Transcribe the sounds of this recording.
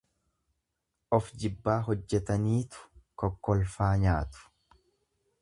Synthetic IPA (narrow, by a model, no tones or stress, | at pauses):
ʔɔfd͡ʒɪbːaːɦɔd͡ʒːɛt̪ɐniːt̪ʊ̥kɔkːɔlfaːɲaːt̪ʊ̥